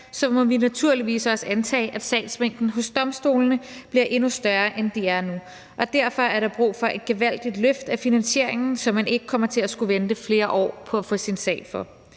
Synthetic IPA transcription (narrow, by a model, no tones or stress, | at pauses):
sɒ̽mɒ̽ʋinæt͡sʰuɐliʋḭːsɒ̽səænt͡sʰɛ̰ːɪʔæd̥sɛ̰ɪd̥smeŋ̰d̥n̩ɦɔ̽sd̥ɒ̽msd̥o̝ːlnəb̥liɐʔe̝nusd̥ɶɐːʔend̥iæɐnu | ʔɒ̽d̥æɐ̰fɒ̽æɐɾɑ̈b̥ʁṵːfɒ̽ʔe̝d̥̚ɡ̥e̝ʋæl̰d̥id̥løfd̥æfinænɕe̝ɐ̰eŋn̩sɒ̽mːæne̝ɡ̥ə̥kʰɒ̽m̰ɐt͡sʰe̝læsɡ̥uʋend̥əfle̝ːɐʔɒ̰ːpʰɒ̽æfɔ̽sinsɛ̰ːɪfɒ̽